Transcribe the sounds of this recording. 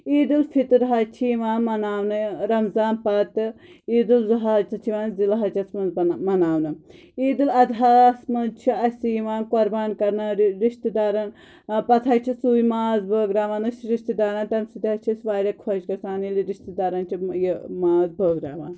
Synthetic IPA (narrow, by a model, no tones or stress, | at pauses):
iːd̪ɨlfʰit̪ɾɦaːt͡ʃʰiːʋaːnmɐnaːʋnɨɾɐmzaːnpɐt̪ɨ | iːd̪ɨlzɐɦaːd͡ʒt̪ɐt͡ʃʰiʋaːnzilɦɐt͡ʃɐsmɐnzmɐnaːwnɨ | iːd̪ɨlɐd̪ʱaːsmɐnt͡ʃʰiɐsiːʋaːnkoɾbaːnkɐɾnɨɾiʃt̪id̪aːɾɐn | pɐt̪ʰat͡ʃʰisuːjimaːzbəːɡɾaːʋaːnɨt͡ʃɾiʃt̪id̪aːɾant̪ɐmsid̪ʲat͡ʃʰisʋaːɾʲɐkʰod͡ʒkɐsaːniliɾiʃt̪id̪aːɾɐnt͡ʃʰijimaːzbəːɡɾa̰ːʋa̰ːn